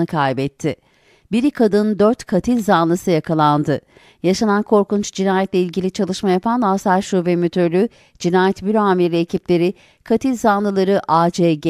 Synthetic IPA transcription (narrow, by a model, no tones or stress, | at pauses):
ɯkʰajbɛt̪ʰːɪ | biɾikʰad̪ɯnd̪øɾt̪kʰat̪ʰilʲzanlˠɯsɯjakʰalˠand̪ɯ | jaʃanankʰo̞ɾkunt͡ʃd͡ʒinaːjɛt̪lʲeilʲɟilʲit͡ʃʰalˠɯʃmajapʰanlasaɾʃuvɛmyt̪ʰølʲy | d͡ʒinaːjɛt̪byɾoamiɾɛːcʰiplʲe̞ɾɪ | kʰat̪ʰilʲzanlˠɯlˠaɾɯʔaːd͡ʒeɟ